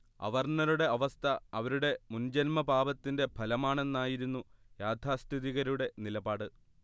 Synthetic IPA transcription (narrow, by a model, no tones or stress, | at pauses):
ɐ̰ʋɐrɳɐɾuɽe̞ɐʋɐst̪ʰɐɐʋɐɾuɽe̞mund͡ʑɐnmɐbaːbɐt̪ːinde̞bʱɐlɐmaːɳe̞nːaːjiɾunːujaːd̪ʱaːst̪ʰiðiɣɐɾuɽe̞nilɐbaːɽɨ